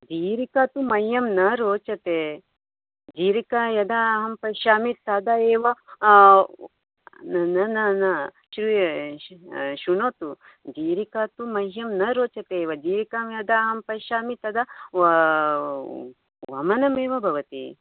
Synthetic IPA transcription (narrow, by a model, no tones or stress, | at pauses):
d͡ʒiːɾikaːt̪umɐjːɐmnɐɾoːt͡ʃɐt̪eː | d͡ʒiːɾikajɐd̪aɦɐmpɐʃaːmit̪ːɐd̪ɐeːʋɐ | nnɐnɐnɐ | ʃɾi | ʃunoːt̪u | d͡ʒiːɾikaːt̪umɐjːɐmnɐɾoːt͡ʃɐt̪eːʋɐd͡ʒiːɾikaːmjɐd̪aːɦɐmpɐʃaːmit̪ːɐd̪ɐ | ʋɐ̰mɐnɐmeːʋɐbʱɐʋɐt̪ḭ